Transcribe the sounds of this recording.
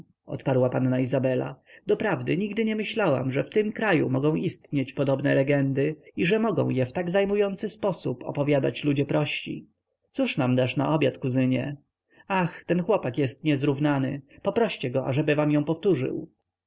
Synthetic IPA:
ɔ̰t̪paɾwapanːaizabɛla̰d̪ɔpɾavd̪ɘɲiɡd̪ɘɲɛmɘɕlawa̰mʐɛft̪ɘmkɾajṵmɔɡɔ̃w̃ʔist̪ɲet͡ɕpɔd̪ɔbnɛlɛɡɛnd̪ɘiʐɛmɔɡɔ̰̃w̃jɛft̪aɡzajmujɔnt̪sɘspɔsupɔ̰pɔvʲjad̪a̰t͡ɕlud͡ʑɛpɾɔɕt͡ɕḭ | t̪suʂnamd̪aʂna̰ʔɔbʲjat̪kuzɘɲɛ | axt̪ɛnxwɔpakjɛst̪ɲɛzɾuvnanɘpɔpɾɔɕt͡ɕɛɡɔʔa̰ʐɛbɘvamjɔ̃w̃pɔft̪uʐɘ̰w

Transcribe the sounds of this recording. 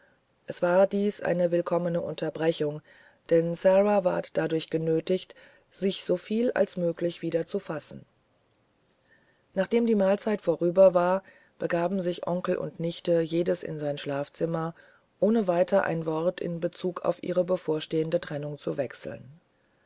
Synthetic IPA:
ʔɛsv̥aːɐdiːsʔa̰ɪnəvɪlkʰɔmənəʔʊ̰ntʰɐbʁɛçʊŋ | d̥ɛnsaʁava̰ːɐtd̥adʊɐçɡ̥ənøːtɪçt | z̥ɪçz̥ofiːla̰lsmøːklɪçv̥iːdɐt͡sufasn̩ | naːχd̥eːmdiːmaːlt͡saɪtfoːʁyːbɐvaːɐ | b̥əɡaːbm̩zɪçʔɔŋkl̩ʔʊ̰ntnɪçtəjeːdəsɪ̰nzaɪnʃlaːft͡sɪmɐ | ʔoːnəvaɪtɐʔa̰ɪnvɔʁtɪ̰nbət͡suːkʰa̰ʊfʔḭːʁəbəfoːɐʃteːəndətʁ̥ɛnʊŋt͡suvɛksl̩n

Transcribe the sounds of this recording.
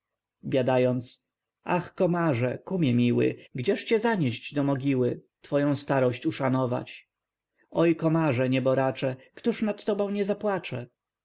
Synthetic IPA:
bʲjad̪ajɔnt̪s | a̰xkɔmaʐɛkumʲjɛmʲiwɘ̰ɡd͡ʑɛʂt͡ɕɛzaɲɛʑd͡ʑd̪ɔmɔɡʲiwɘt̪fɔjɔ̃w̃st̪aɾɔɕt͡ɕuʂanɔva̰t͡ɕ | ɔjkɔmaʐɛɲɛbɔɾat͡ʂɛkt̪uʂnat̪ːɔbɔ̃w̃ɲɛzapwat͡ʂɛ

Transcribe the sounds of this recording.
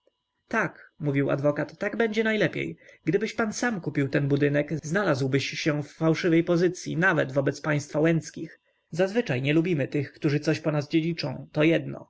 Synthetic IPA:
t̪akmuvʲiwa̰d̪vɔkat̪ːaɡbɛɲd͡ʑɛnajlɛpʲḛjɡd̪ɘbɘɕpansamkupʲiwt̪ɛnbud̪ɘnɛkznalazwbɘɕɕɛfːawʂɘvɛjpɔzɘt̪sʲjḭnavɛd̪vɔbɛt̪spaj̃st̪fawɛnt̪skʲix | zazvɘt͡ʂajɲɛlubʲimɘt̪ɘxkt̪uʐɘt̪sɔɕpɔnazd͡ʑed͡ʑit͡ʂɔ̰̃w̃t̪ɔjɛd̪nɔ̰

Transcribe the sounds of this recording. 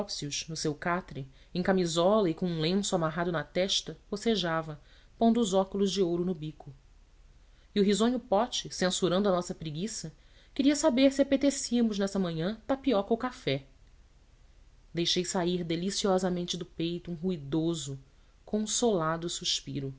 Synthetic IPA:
ɔpsiuʃnʊsewkat̪ɾɪ | ẽj̃kamizɔlɐɪkõũlẽsʊamaɦad̪ʊnɐt̪ɛʃt̪ɐposeʒavɐ | põnd̪ʊːzɔkʊlʊzd͡ʒɪowɾʊnʊbikʊ | iʊɦizõɲʊpɔt͡ʃɪsẽsuɾɐ̃nd̪ʊɐnɔsɐpɾiɡisɐ | kɪɾiɐsabeɾsiapet̪esiɐmʊʒnɛsɐmɐ̃ɲɐ̃t̪apiɔkɐʊkafɛ | d̪ejʃejsaiɾd̪elisiɔzɐmẽnt͡ʃɪd̪ʊpejt̪ʊũɦuid̪ozʊ | kõsolad̪ʊsuʃpḭɾʊ

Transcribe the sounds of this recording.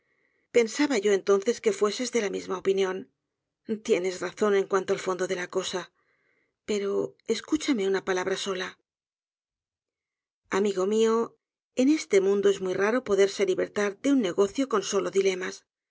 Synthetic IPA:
pe̞nsaβaʝo̞e̞nt̪o̞nθe̞ske̞fwe̞se̞zðe̞lamizmao̞pinjõ̞n | t̪je̞ne̞sraθo̞nẽ̞ŋkwant̪o̞alfo̞nd̪o̞ðe̞lako̞sa | pe̞ɾo̞e̞skut͡ʃame̞unapalaβ̞ɾaso̞la | amiɣo̞mio̞ | e̞ne̞st̪e̞mũnd̪o̞e̞zmuijraɾo̞po̞ðe̞ɾse̞liβe̞ɾt̪aɾdeunːe̞ɣo̞θjo̞ko̞nso̞lo̞ðile̞mas

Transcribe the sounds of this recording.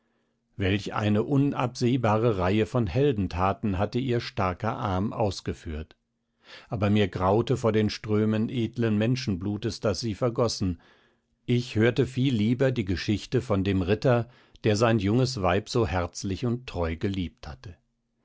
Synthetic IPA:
vɛlçʔa̰ɪnəʔʊnʔa̰pz̥eːbaːʁəʁaɪəfɔnhɛldn̩tʰaːtn̩ɦatəiːɐʃtaɐkɐʔa̰ɐmʔa̰ʊsɡ̥əfy̰ːɐt | ʔaːbɐmiːɐɡʁaʊtəfoːɐdeːnʃtʁ̥øːmənʔeːdlənmɛnʃn̩bluːtəsd̥asz̥iːfɛɐɡɔsn̩ | ʔɪçhøːɐtəfiːlːiːbɐdiːɡəʃɪçtəfɔndeːmʁɪtɐ | d̥eːɐzaɪnjʊŋəsvaɪpz̥oːhɛɐt͡slɪçʊntʰːʁ̥ɔʏɡəliːp̚thatə

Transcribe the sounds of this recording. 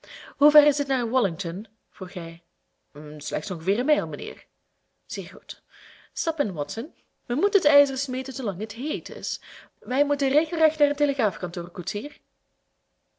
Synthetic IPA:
ɦuvɛrɪzdɪtnaːrwɔlɪŋtɔn | v̥ruxɦɛj | slɛxtsɔŋɣəvɪːrənmɛjlˠmənḛːr | z̥eːrɣut | stɑpɪnwɔtsən | ʋəmutəətɛjzərsmeːtənzolɑŋətɦejtɪ̰sʋɛjmutəreːɣəlˠrɛxtnaːrənteləɣraːfkɑntoːrkusiːr

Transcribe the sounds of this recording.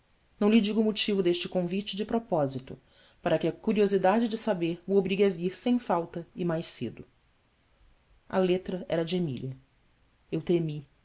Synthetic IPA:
nɐ̃w̃lɪd͡ʒiɡʊːmʊt͡ʃivʊd̪eʃt͡ʃɪkõvit͡ʃɪd͡ʒɪpɾɔpɔzit̪ʊ | paɾɐkɪɐkuɾiozid̪ad͡ʒɪd͡ʒɪsabeɾmuobɾiɡɐviɾsẽj̃fawt̪ɐɪmajʃsḛd̪ʊ | ɐ̰let̪ɾɐɛ̰ɾɐd͡ʒɪemḭliɐ | ewt̪ɾemi

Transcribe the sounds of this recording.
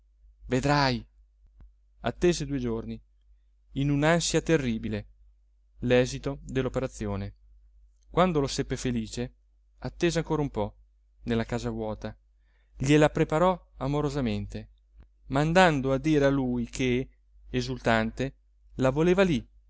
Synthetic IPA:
ved̪ɾaj | a̰t̪ːeːzed̪uːed͡ʒorni | inunansjat̪erːiːbile | lɛːzit̪od̪elːopeɾat̪sːjoːne | kwand̪olosepːefeliːt͡ʃe | at̪ːeːzeaŋkoːɾaumpɔ | nelːakaːzavwɔːt̪a | ʎelapɾepaɾɔamoɾozament̪e | mand̪and̪oad̪ːiːɾealujkʰeː | zult̪ant̪e | lavoleːvali

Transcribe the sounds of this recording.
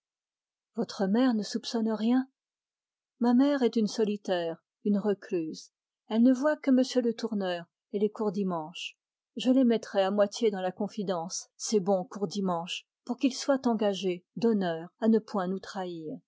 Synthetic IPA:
vɔt̪χəmɛʁnəsupsɔnʁjɛ̃ | mamɛʁɛt̪ynsɔlit̪ɛːʁ | ynʁəkløz | ɛlnəvwakəməsjølət̪uʁnœːʁ | elekuʁd̪imɑ̃ʃ | ʒəlemɛt̪χɛamwat̪jed̪ɑ̃lakɔ̃fid̪ɑ̃sːebɔ̃kuʁd̪imɑ̃ʃ | puʁkilswat̪ɑ̃ɡaʒed̪ɔnœːʁanəpwɛ̃nut̪χaiːʁ

